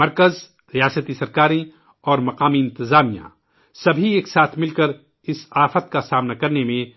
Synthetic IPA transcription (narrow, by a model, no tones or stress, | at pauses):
mɐɾkəz | ɾijaːsət̪isɐɾkaːɾĩ | ɔːɾmɐqaːmiɪ̃nt̪ɪzaːmijã̰ | sɐbʱieːksaːt̪ʰmɪlkəɾ | ɪsaːfət̪kasaːmnakɐɾnemẽ